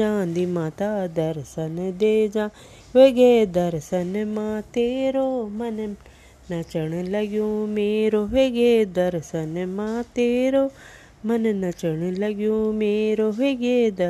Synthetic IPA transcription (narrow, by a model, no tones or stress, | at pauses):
ãːnd̪imãːt̪aːd̪ɐɾsɐnd̪eːd͡ʒãː | ʋeɡeːd̪ɐɾsɐnmãt̪eːɾomɐn | nɐt͡ʃɐɳlɐɡjũmeːɾoʋeɡeːd̪ɐɾsɐnmãːt̪eːɾo | mɐnnɐt͡ʃəɳɨlɐɡjõːmeːɾoɦeɡed̪